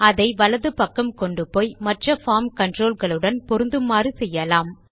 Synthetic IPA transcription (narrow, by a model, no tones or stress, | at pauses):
ɐðɐɪʋɐlɐðɯpɐkːɐmkɔɳɖɯpoːjmɐʈrɐfaːmkɐɳɖroːlɣɐɭɯɽɐnpɔɾɯnd̪ɯmːaːrisɛjːɐlaːm